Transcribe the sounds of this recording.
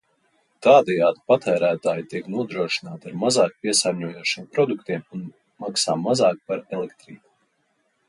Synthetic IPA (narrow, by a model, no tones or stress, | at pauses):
t̪aːd̪ɛjaːd̪ipat̪æːɾæːt̪aːjt̪iɛknuɔd̪ɾuɔʃi̥naːt̪aɾmazɑːk̚piɛsaːɾɲuɔjuɔʃiːmpɾɔd̪ukt̪iɛmun | maksaːmazɑːk̚paɾɛlekt̪ɾiːku̥